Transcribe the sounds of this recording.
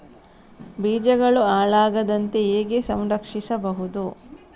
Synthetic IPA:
biːd͡ʒɐɡɐɭuaːɭaːɡɐd̪ɐnt̪e̞eːɡe̞sɐmɾɐkʂisɐbɐɦud̪u

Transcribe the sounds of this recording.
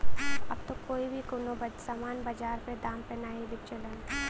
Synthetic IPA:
ɐ̰b̚t̪okoːibʱikʊnobɐsaːmaːnbɐd͡ʒaːɾped̪aːmpenaɦĩbɪt͡ʃələn

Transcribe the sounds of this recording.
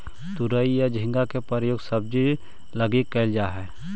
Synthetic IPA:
t̪ʊɾəijad͡ʒʱɪ̃ŋɡakepəɾəjoːɡsəb̚d͡ʒi | ləɡikːəɪld͡ʒaːɦɛː

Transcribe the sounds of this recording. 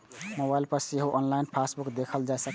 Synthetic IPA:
mobailpəɾseɦoʔɔnlainpʰasbukd̪ekʰəld͡ʒasək

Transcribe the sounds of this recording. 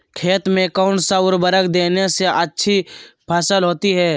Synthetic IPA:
kʰeːt̪mẽkaʊɳʈsaʊɾbəɾəkd̪eːneseʔɐtːʃʰipʰɐsəlɦoːt̪iɦɛː

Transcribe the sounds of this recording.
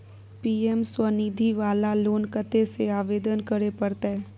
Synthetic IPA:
piːemswənid̪ʱiʋaːlaloːnkət̪eseaːʋeːd̪ənkəɾepəɾt̪aɦɛː

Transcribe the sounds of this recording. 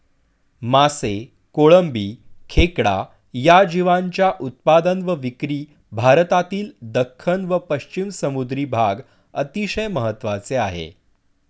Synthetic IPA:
mase | koɭəmbiːkʰekɽa̰ | jad͡ʑiʋaɲt͡ɕjaʔut̪̚pad̪ənʋəʋikɾiː | bʱaɾt̪at̪iːld̪əkʰːənʋəpəɕt͡ɕimsəmud̪ɾiːbʱaɡ | ət̪iɕəjməɦət̪ːʋat͡seaɦḛ

